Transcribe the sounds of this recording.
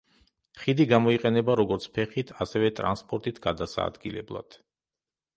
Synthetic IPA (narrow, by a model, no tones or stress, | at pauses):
χid̪iɡamɔiqʼɛnɛbaɾɔɡɔɾt̪sʰpʰɛχit̪ʰasɛvɛt̪ʼɾa̰nspʼɔɾt̪ʼit̪ʰɡ̥ad̪asa̰ːd̪ɡilɛ̰blˠa̰d̪̥